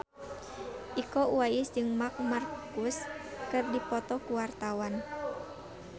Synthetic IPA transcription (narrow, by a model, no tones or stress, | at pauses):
ʔikɔuajɪsd͡ʒɨŋmak̚markuskɨrdipɔt̪ɔkuwart̪awan